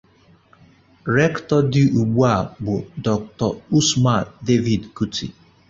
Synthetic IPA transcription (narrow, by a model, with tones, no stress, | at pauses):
ɾɛ˦ktɔ˦dɪ˦ʔu˨ɡ͡bu˦a˨ɡ͡bʊ˨dɔ˨k̚tɔ˨u˦sma˨de˦vi˨dku˦tʰḭ˨